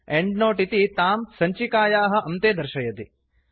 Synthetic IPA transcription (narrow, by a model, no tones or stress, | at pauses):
eɳɖnoːʈit̪it̪aːmsɐɲt͡ʃikaːjaːɦɐ̆ʔɐmt̪eːd̪ɐɾʃɐjɐt̪i